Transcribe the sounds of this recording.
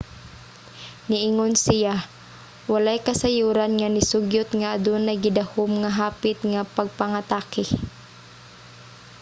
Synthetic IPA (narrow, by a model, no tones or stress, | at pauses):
nɪʔiŋonsɪja | walajkasajuːɾanŋanɪsʊɡjʊt̪ŋaːd̪ʊnaɡɪd̪ahomŋaɦaːpɪt̪ŋapaɡ̚paŋat̪aːkɪ